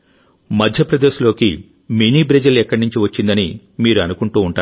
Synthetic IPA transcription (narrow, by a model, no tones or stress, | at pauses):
mɐd̪ʱjɐpɾɐd̪eːʃulo̞ːkḭ | miniːbɾed͡ʒɐlɛkːɐɽnuɲt͡ʃiʋɐt͡ʃːind̪ɐni | miːɾuɐnukuɳʈuːɳʈaː